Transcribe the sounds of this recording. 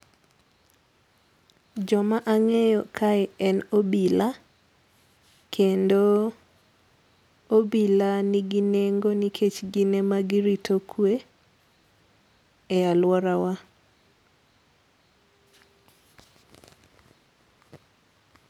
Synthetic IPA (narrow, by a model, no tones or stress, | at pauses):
d͡ʒɔmaʔaŋɛjɔkʰaɛɛnobila | kʰendo | obilaniɡineŋɡonikʰet͡ʃɡinemaɡiɾitʰokʰwe | ɛalwɔɾawa